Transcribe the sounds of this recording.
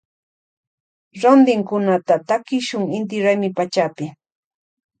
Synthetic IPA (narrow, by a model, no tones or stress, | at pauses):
ɾond̪ɪŋkʊnat̪at̪akɪʃʊŋɪnt̪̬ɪɾajmɪpat͡ʃapɪ